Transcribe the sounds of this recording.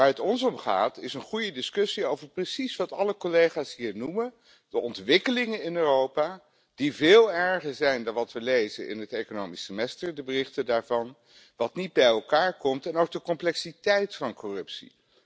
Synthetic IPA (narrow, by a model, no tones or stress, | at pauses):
ʋaːɹɦətɔnsɔmχa̰ːtɪsənχujədɪskɵsiowvəɹprəsisʋɑtɑ̰ləkɔlejχaːsɦiːɹnumə | d̥əʔɔntʋɪkəlɪŋənɪnøːrowpaː | d̥ivɪːlˠɛɹχəɹzɛjndɑnʋɑtʋəlejzə̰nʔɪ̰nɦətekonowmisəmɛstəɹdəbərɪχtədaːɹvɑn | ʋɑtnid̚bɛjɛlˠkaːɹkɔmtɛnowɡ̚dəkɔmplɛksitɛjtfɑnkɔrɵpsḭ